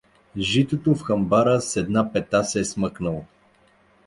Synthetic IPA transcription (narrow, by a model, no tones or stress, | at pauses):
ʒit̪ot̪ofxɐmbaɾəsɛd̪napɛt̪asɛːsməknəlˠo